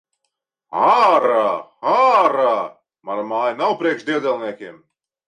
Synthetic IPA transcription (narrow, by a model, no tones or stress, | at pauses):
aɾaːaɾa | maɾmaːjnawpɾiɛkʃd̪ʲiɛd̪zʲɛlˠniɛkʲiɛm